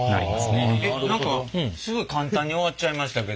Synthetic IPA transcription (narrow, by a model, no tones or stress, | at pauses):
na̰ɾʲḭma̰sɨneenãŋkasɨɡɯ̟kãnt̪ãɲ̟ːio̞βat͡ɕaimaɕi̥t̪ake̞